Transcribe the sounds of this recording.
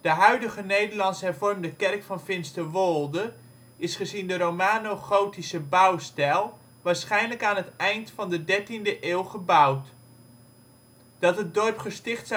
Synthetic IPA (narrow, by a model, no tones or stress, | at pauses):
d̥əɦœɥdəχənejdərlɑnsɦɛrvɔrmdəkɛrkfɑnfɪnstəʋolˠdə | ɪsχəzindəɾowmaːnoχowtisəbʌwstɛlˠ | ʋaːɹsχɛjnləkaːnɦətɛjntfɑndədɛɹtindəʔeːlˠχəbʌwt | d̥ɑtɦət̚dɔrpχəstɪχts